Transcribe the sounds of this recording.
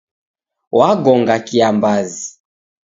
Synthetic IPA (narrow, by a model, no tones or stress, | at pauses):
waɡɔŋɡakiambazi